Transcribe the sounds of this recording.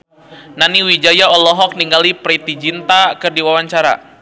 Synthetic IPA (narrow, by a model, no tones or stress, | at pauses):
naniwid͡ʒajaɔlɔɦɔk̚niŋɡalipɾit̪id͡ʒint̪akɨrdiwawaɲt͡ʃaɾa̰